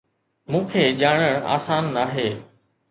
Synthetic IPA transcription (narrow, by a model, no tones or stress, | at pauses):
mũːkʰeːʄaːɽ̃əɽ̃a̰ːsaːnːaːɦeː